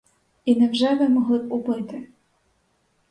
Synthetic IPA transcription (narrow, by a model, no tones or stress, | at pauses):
inɛwʒɛʋɪmɔɦlˠɪpubɪt̪ɪ